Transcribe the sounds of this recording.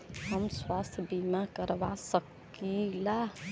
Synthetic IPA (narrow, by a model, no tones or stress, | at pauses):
ɦəmswast̪ʰbimãkəɾʋasəkː | ila